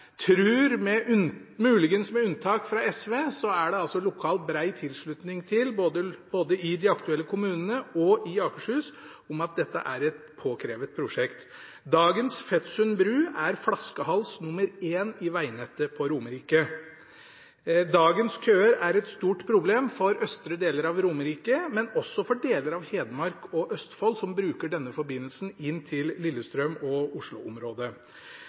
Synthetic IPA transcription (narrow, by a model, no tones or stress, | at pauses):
t̪ʰɾʉːɾmɛʔmʉːlɪɡənsmɛʉnt̪ʰɑːkfɾɑɛsʋeːsɔæɖɛɑlsɔlʊkʰɑːlt̪̚bɾæɪt̪ʰɪlʂɭʉt̪nɪŋt̪ʰɪlboːd̪əb̥oːd̪əɪd̪ɪɑkt̪ʉɛlːəkʰʊmʉːnənəɔɪɑːkəʂhʉːs | ʊmɑt̪̚d̪ɛt̪ːə̰ʔæ̰ɾɛt̪pʰoːkʰɾeːʋət̪̚pʰɾʊʂɛkt̪ | d̪ɑːɡənsfɛt̪sʉnbɾʉːæɾfɽɑskəhɑlsnʊməɾeːnɪʋæɪnɛt̪ːəpʰɔɾʊməɾiːkə | d̪ɑːɡənskʰøːəɾæɾɛt̪st̪uːʈpʰɾʊbleːmfɔɾœst̪ɾəd̪eːləɾɑʋɾʊməɾiːkəmɛnɔsːɔfɔɖeːləɾɑʋheːd̪mɑɾkɔʔœst̪fɔlsɔmbɾʉːkəɖɛnːəfɔɾbɪnːəlsn̩ɪnːt̪ʰɪlːɪlːəst̪ɾœmɔʊʂɭʊʊmɾoːd̪ə